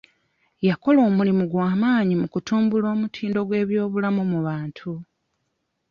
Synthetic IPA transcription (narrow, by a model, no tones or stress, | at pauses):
jako̞lo̞ːmulimuɡwaːmaːɲimukutuːmbulo̞ːmutʰiːndo̞ɡwe̞ːβjo̞ːβulamumuβaːntʰu